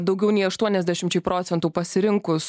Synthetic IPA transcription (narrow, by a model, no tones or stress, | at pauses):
d̪ɒʊɡʲɛʊnʲɛɪɐʃt̪uɔnʲɛzʲd̪ʲæʃʲɪmt͡ʃʲɛɪpɾoːt̪sʲɛnt̪uːpɐsʲɪɾʲɪŋkʊs